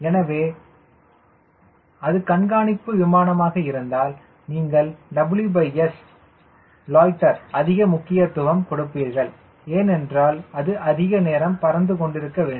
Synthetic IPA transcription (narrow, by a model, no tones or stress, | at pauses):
ɛnɐʋeː | ɐðɯkɐɳɡaːnɪpːɯʋɪmaːnɐmaːɣɐɪɾɯnd̪aːl | niːŋɡɐɭɖɐbɪljubɐɪɛs | loːjʈːɐɾɐðɪɣɐmʊkːɪjɐt̪ːʊɣɐmkɔɽɯpːiːɾɣɐɭ | eːnɛndraːlɐðɯʔɐðɪɣɐneːɾɐmpɐɾɐnd̪ɯkɔɳɖɪɾɯkːɐʋeːɳ